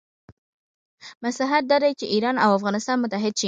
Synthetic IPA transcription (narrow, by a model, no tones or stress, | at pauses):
maslaɦat̪̚d̪ɑd̪ajt͡ʃeʔiɾɑnawafɣɑnɪst̪ɑnmʊt̪aɦɪd̪̚t͡ʃi